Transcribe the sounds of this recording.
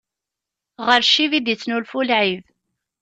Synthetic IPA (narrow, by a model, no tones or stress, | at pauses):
ʁəɾʃivid̪it͡sːnulfulʕið